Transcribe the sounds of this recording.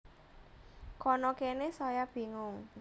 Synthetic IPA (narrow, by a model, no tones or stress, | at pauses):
kɔnɔkenesɔjab̥i̤ŋʊŋ